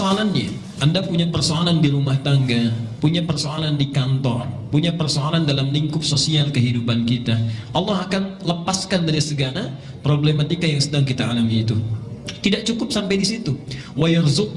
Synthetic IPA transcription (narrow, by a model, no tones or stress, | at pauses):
oalanɲa | ʔandapuɲapərsoalandiɾumaht̪aŋɡapuɲapərsoalandikant̪ɔrpuɲapərsoalandalamliŋkʊp̚sosialkəɦidupankit̪aʔɑlːɑhakanləpaskandadisəɡala | pɾoblemat̪ikajaŋsədaŋkit̪aʔːlamiːt̪ut̪idaʔt͡ʃukʊp̚sampajdisit̪u | wajarzʊk̚